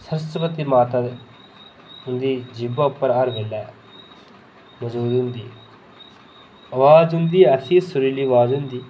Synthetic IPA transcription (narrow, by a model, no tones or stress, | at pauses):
səɾəst̪əpət̪iːmaːt̪aː | ɦʊnd̪iːd͡ʒɪbaːʊpːəɾaːɾʋeːlɛː | məd͡ʒuːd̪ɦʊ̃nd̪ḭː | əʋaːd͡ʒɦʊnd̪iːəsĩːsʊɾiːliːəʋaːzɦʊ̃nd̪iː